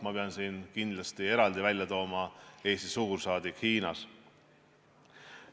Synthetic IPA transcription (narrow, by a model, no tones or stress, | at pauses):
mɑpe̞ɑnsiːnkind̪̥lɑst̪ie̞ɾɑld̪ivælʲjɑt̪o̞ːmɑe̞ːst̪isuɡursɑːd̪ikhiːnɑ̰s